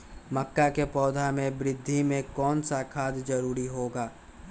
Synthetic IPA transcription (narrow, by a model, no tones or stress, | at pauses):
məkːakepɔːd̪ʱamẽbɾɪd̪ʱːimẽkɔːnsakʰaːd̪zəɾuːɾiɦoːɡaː